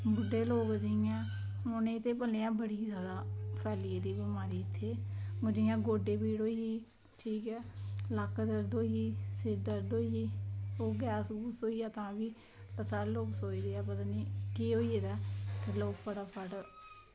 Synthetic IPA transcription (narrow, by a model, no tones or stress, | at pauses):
bʊɖːeːloːkd͡ʒijãː | mʊnẽːɪt̪ːeːpəleːãːbəɽiːzaːd̪aːpʰɛːlied̪iːbəmaːɾiːɪt̪ʰːeːʊd͡ʒiːjãːɡoːɖeːpiːɽoːiiː | ʈʰiːkɛːlakd̪əɾd̪oːiiːsɪɾd̪əɾd̪oːiiːoːɡɛːsɡuːsoːiːjaːt̪ãːʋiː | ləsaːɾloːksoːid̪eːaːpət̪aːniːkiːɦoːieːd̪aːt̪eloːkpʰəʈaːpʰəʈ